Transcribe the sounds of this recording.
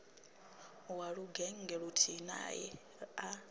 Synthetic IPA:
waɺuɡɛŋŋɡɛɺutʰina̰jɛ̰ | a

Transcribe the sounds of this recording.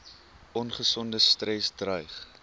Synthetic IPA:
ɔnχəsɔndəstrɛsdrœjχ

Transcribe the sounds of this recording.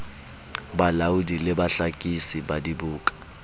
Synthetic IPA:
ɓalawudʱilɛɓaɬakʼisiɓadiɓuːkʼḁ

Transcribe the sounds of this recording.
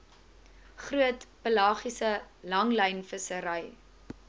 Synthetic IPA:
χruətpəlɑːχisəlɐŋləjnfəsəɾɐj

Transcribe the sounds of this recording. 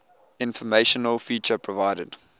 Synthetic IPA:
ɪ̃nfɔmeɪʃɔnəlˠfiːt͡ʃəpʰɹɔvaɪdəd

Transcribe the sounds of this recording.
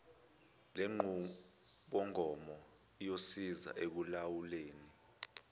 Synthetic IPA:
leŋ͡ǃʱu | ɓɔŋʱɔmɔ | ijosiza̰ʔek̬ulawuleːni

